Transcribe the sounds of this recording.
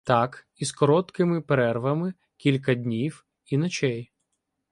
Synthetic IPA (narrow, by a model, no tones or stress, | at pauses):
t̪ak | iskɔɾɔt̪kɪmɪpeɾɛrʋɐmɪ | kʲilʲkɐdʲnʲiw | inɔt͡ʃɛj